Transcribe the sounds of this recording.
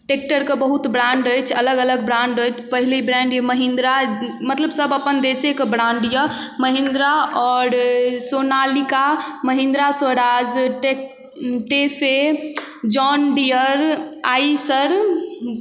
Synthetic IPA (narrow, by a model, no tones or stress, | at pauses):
ʈek̚ʈəɾkebəɦut̪bɾãɳɖəjt͡ʃʰələɡələɡbɾãɳɖəjt͡ʃʰpəɦilibɾɛ̃ɳɖjəməɦĩnd̪ɾamət̪ləbsəbəpənd̪esekebɾãɳɖjə | məɦĩnd̪ɾaɔːɾsonalikaməɦĩnd̪ɾasʋəɾad͡ʒʈe | ʈepʰe | d͡ʒɔnɖijəɾaisəɾ